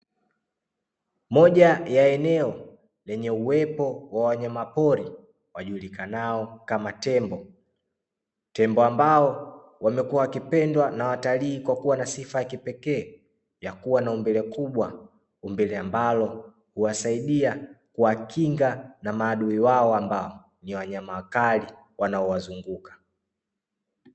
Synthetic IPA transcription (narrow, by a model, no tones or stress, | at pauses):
mɔʄajaɛnɛɔ | lɛɲɛuwɛpɔwawaɲamapɔɾi | waʄulikanaɔkamatɛmbɔ | tɛmbɔambaɔ | wamɛkuawkipɛndwanawataliikwakuwanasifajakipɛkɛː | jakuwanaumbɛlɛkuɓwa | umbɛlɛambalɔ | huwasaiɗiakuwakiŋɡanamaːɗuiwaɔambaɔ | niwaɲamawakali | wanaɔwazuŋɡukḁ